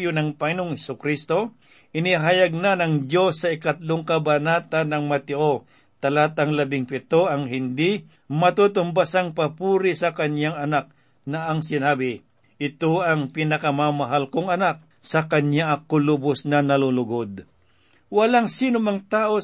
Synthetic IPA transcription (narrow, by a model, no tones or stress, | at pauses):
jonɐŋpɐŋɪnoŋhɛsʊkɾist̪o̞ | ʔɪnɪɦajɐɡ̚nanɐŋd͡ʒo̞sːɐɪkɐt̪̚loŋkɐbanaːt̪anɐŋmɐt̪ɪʔo | t̪ɐlaːt̪ɐŋlɐbɪŋpɪt̪oɐŋɦɪnd̪ɪ | mɐt̪ut̪ʊmbasaŋpɐpuːɾɪsɐkɐɲjaŋɐnak̚ | nɐʔɐŋsɪnaːbɪ | ʔɪt̪oɐŋpinɐkɐmamɐɦalkoŋɐnak̚ | sɐkɐɲaʔɐkolʊbʊsnɐnɐlolʊɡod̪̚ | wɐlaŋsinʊmaŋt̪aːʔo